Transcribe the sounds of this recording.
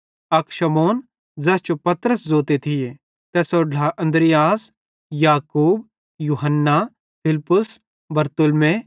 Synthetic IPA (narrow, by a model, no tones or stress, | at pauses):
ɐkʃɐmoːn | d͡zɐst͡ʃopɐt̪ɾəszoːt̪et̪ʰɪje | t̪ɛːsoːɖlaʔɐ̃nd̪ɾɪjaːs | jaːkuːb | juːɦənːa | pʰɪlpːʊs | bɐɾt̪ʊlmẽ